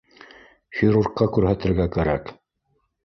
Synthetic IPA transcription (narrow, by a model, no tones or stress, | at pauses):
xʲɪɾurqːɑkʉɾɦæt̪ɘ̆ɾɡækæɾæ̰k